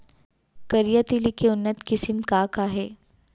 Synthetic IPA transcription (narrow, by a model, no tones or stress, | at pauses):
kɐɾijat̪ilikeʊnːət̪kɪsɪmkakaɦɛː